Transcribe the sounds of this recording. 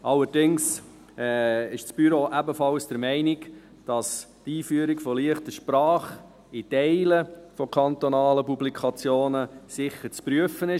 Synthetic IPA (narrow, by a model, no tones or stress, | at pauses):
ʔɑlːəɾdɪŋs | ɛɪʃt͡sb̥yɾoʔæbəfɑlsd̥əɾmɛɪnɪk | d̥ɑs | tiːfyəɾikfɔliəχtəʃpɾɑːχ | itɛɪləfɔkʰɑnt̪ɔnɑːləpublikʰɑt͡sjoːnəsɪχːəɾt͡spɾyəfənɪ